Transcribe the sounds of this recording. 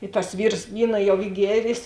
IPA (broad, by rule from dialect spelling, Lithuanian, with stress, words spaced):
ɪ tɐs ˈʋʲiːrs ˈʋʲiːnɐ jɛʊ ˈiː ˈɡʲiɛrʲeːs